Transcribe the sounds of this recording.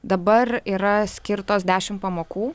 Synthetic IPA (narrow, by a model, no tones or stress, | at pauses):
d̪ɐbɐɾiːɾɐsʲkʲɪɾt̪oːsd̪ʲæːʃʲɪmpɐmoːkuː